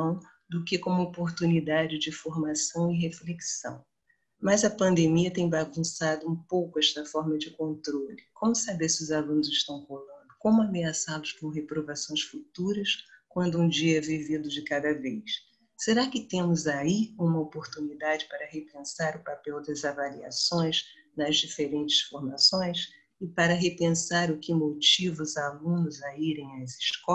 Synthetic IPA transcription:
ɐ̃w̃ | d̪ʊkɪkõmʊopoɾt̪unid̪ad͡ʒɪd͡ʒɪfoɾmasɐ̃w̃ɪɦefleksɐ̰̃w̃ | mɐzɐpɐ̃nd̪emiɐt̪ẽj̃baɡũsad̪ʊũpowkʊɛʃt̪ɐfɔɾmɐd͡ʒɪkõnt̪ɾolɪkõmʊsabeɾsɪʊzalũnʊzɪʃt̪ɐ̃w̃kolɐ̃nd̪ʊkõmʊameasalʊskõɦepɾovasõj̃sfut̪uɾɐskwɐ̃nd̪ʊũd͡ʒiɐɛvivid̪ʊd͡ʒɪkad̪ɐvejs | seɾakɪt̪ẽmʊzaiũmɐopoɾt̪unid̪ad͡ʒɪpaɾɐɦepẽsaɾʊpapɛwd̪ɐzavalia̰sõj̃s | nɐzd͡ʒifeɾẽnt͡ʃɪ̥sfoɾmasõj̃s | ɪpaɾɐɦepẽsaɾʊkɪmot͡ʃivʊʊzalũnʊzɐiɾẽj̃ɐzɪʃkɔ

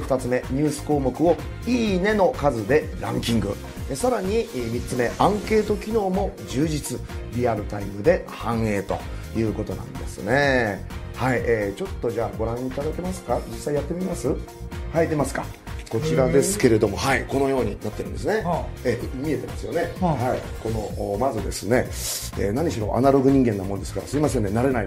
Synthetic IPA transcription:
fɯ̥t̪at͡sɨme̞ɲ̟ɨːsɨ̥ko̞ːmo̞kɯ̟o̞ | iːne̞no̞kazɨd̪e̞ɾã̰ŋkʲĩŋɡɯ̟̰ | esaɾaɲ̟imʲitt͡sɨme̞ʔãŋke̞ːt̪o̞kʲino̞ːmo̞d͡ʑɨːʑit͡sɨɾʲiaɾɯ̟t̪aimɯ̟d̪e̞hãɰ̃e̞ːt̪o̞̰jɯ̟ːko̞t̪o̞nã̰nd̪e̞̰sɨ̰ne̞ | haiʔeːt͡ɕo̞t̪ːo̞d͡ʑaːɡo̞ɾãɲ̃iːt̪ad̪ake̞masɨ̥kad͡ʑisːaijat̪ːe̞mʲimasɨ | haid̪e̞masɨ̥ka̰ | ko̞t͡ɕiɾad̪e̞sɨ̥ke̞ɾe̞d̪o̞mo̞haiko̞no̞jo̞ːɲ̟inat̪ːeɾɯ̟nd̪e̞s̬ɨne̞emʲie̞t̪e̞masɨjo̞ne̞hai | ko̞no̞ːmazɨd̪e̞sɨne̞ | ḛːnaɲ̟iɕiɾo̞̰ʔa̰naɾo̞ɡɯ̟ɲ̟ĩŋɡe̞nːamo̞nd̪e̞sɨ̥ka̰ɾa̰sɨimas̬e̞nd̪e̞naɾe̞nai

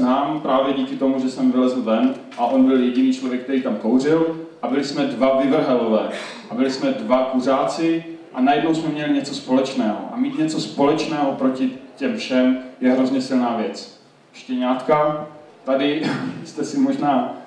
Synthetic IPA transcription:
naːmpɾaːvjɛɟiːkɪt̪o̞muʒɛsɛmvɪlɛzl̩vɛn | ʔaʔo̞nbɪljɛɟɪniːt͡ʃlo̞vjɛk̚t̪ɛɾiːt̪amkowr̝ɪlʔabɪlɪsmɛdvavɪvr̩ɦɛlovɛː | ʔabɪlɪsmɛdvakuraːt͡sɪʔanajɛdnowsmɛmɲɛlɪɲɛt͡sospo̞lɛt͡ʃnɛːɦo̰ʔa̰miːt̪ɲɛt͡so̞spo̞lɛt͡ʃnɛːɦopɾo̞cɪcɛmfʃɛmjɛɦɾo̞zɲɛsɪlnaːvjɛt͡s | ʃcɛɲaːt̪ka | t̪adɪst̪ɛsɪmoʒnaː

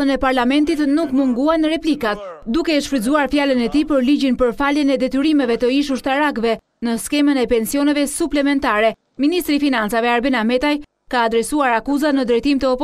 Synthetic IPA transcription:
ənɛpaɾlamɛnt̪it̪nukmuŋɡuanəɾɛplikat̪̚d̪ukɛʃfɾizuaɾfjalənɛt̪ipəɾliɟinpəɾfaljənɛd̪ɛt̪yɾimɛvɛt̪əiʃ̬uʃt̪aɾakvɛ | nəskɛmənɛpɛnsiɔnɛvɛsuplɛmɛnt̪aɾɛ | minist̪ɾifinant͡savɛaɾbɛnamɛt̪aj | kaːd̪ɾɛsuaɾakuzat̪nəd̪ɾɛjt̪imt̪əɔpɔ

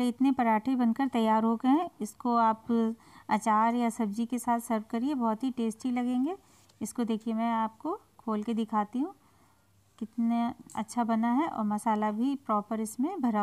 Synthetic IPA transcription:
ɾeɪt̪nepɐɾaːʈʰebɐnkɐɾt̪ɐjːaːɾɦoːkɐɦɛ̃ɪskoaːp | ɐt͡ʃaːɾjasɐb̚d͡ʒikesaːt̪ʰsɐɾʋkɐɾiebɔːt̪ɦiʈeːsʈilɐɡẽːŋɡeː | ɪskod̪eːkʰiemɛ̃aːp̚ko | kʰoːlked̪ɪkʰaːt̪iɦũ | kɪt̪naɐ̰tːʃʰabɐnaɦɛʔɔ̰ːɾmɐsaːlabʱipɾɔːpəɾɪsmẽbʱɐɾaː

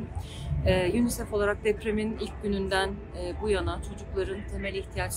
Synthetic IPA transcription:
ɛːjynisɛfo̞lˠaɾak̚d̪epɾeminilʲc̚ɟynynd̪æn | ɛːbujanat͡ʃʰo̞d͡ʒuklˠaɾɯnt̪ʰe̞mɛlʲiçt̪ʰijat͡ʃ

